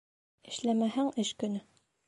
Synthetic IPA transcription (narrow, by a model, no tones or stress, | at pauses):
ɘ̆ʃlæmæhæŋɘʃkɵ̆nɵ